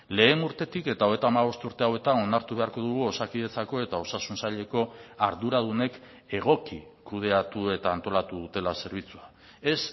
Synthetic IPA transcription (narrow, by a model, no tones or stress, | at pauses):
le̞ːnuɾt̪e̞t̪ike̞t̪aoe̞t̪aːmaβ̞o̞st̪uɾt̪e̞awe̞t̪ao̞naɾt̪uβe̞aɾko̞ðuɣ̞uo̞sakiðe̞t͡sako̞e̞t̪ao̞sasunsaʎe̞ko̞aɾðuɾað̞une̞k | e̞ɣ̞o̞ki | kuð̞e̞at̪ue̞t̪aːnt̪o̞lat̪uðut̪e̞lase̞ɾβ̞it͡sua | e̞s